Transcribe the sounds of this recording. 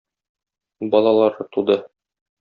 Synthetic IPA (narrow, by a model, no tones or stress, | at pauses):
bɒlˠɑlˠɑɾɤt̪ud̪ɤ